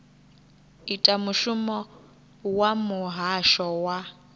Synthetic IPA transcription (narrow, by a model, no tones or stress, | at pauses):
itʼamuʃumɔ | wamʊɦaʃɔwa